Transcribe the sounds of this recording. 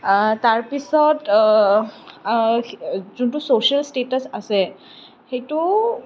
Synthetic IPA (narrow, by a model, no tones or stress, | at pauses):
taɹpisɔt | zuntusoʃialstetasasɛ | xejtu